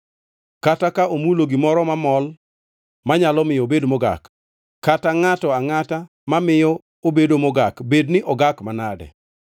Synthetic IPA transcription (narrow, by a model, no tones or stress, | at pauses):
katakaʔomuloɡimɔɾɔmamɔl | maɲalɔmɪjɔbedmoɡa̰k | kːataŋatɔaŋata | mamɪjɔ | obedomoɡakbednɪʔɔɡakmanadɛ̰